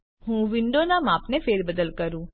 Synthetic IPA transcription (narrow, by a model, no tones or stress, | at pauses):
ɦũʋɪɳɖonamapnefeːɾbəd̪əlkəɾũː